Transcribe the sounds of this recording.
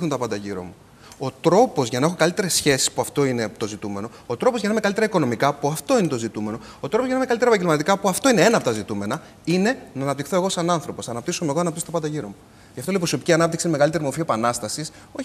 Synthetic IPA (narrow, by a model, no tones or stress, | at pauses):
unt̪ɐpɐnd̪ɐʝiɾo̰mu | o̞t̪ɾo̞po̞zʝɐnɐexo̞kɐlit̪eɾe̞sçe̞si̥spuɐft̪o̞inet̪o̞zit̪ume̞no̞ | ot̪ɾo̞po̞zʝɐnɐimekɐlit̪eɾɐiko̞no̞mikɐpuɐft̪o̞ine̞t̪ozit̪ume̞no̞ | ot̪ɾopozʝɐnɐemekɐlit̪eɾepɐɟelmɐt̪ikɐpuɐft̪o̞ine̞e̞nɐpot̪ɐzit̪ume̞nɐ | ine̞nɐːnɐpt̪ixθo̞e̞ɣo̞sɐnɐnθɾo̞po̞sɐnɐpt̪isome̞ɣoɐnɐpt̪isot̪pɐd̪ɐʝiɾo̞mu | ʝɐft̪oleipɾoso̞piciɐnɐp̚t̪iksinemeɣɐlit̪e̞ɾimo̞ɾfie̞pɐnɐst̪ɐsis | oç